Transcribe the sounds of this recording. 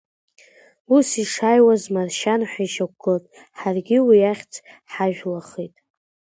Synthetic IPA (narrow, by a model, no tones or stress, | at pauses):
usiʂajwazmarʃanħʷᶣaiʃak̚ʷɡɨltʼ | ħarɡʲɪwijaχʲt͡sʰħaʒᶣlaχitʼ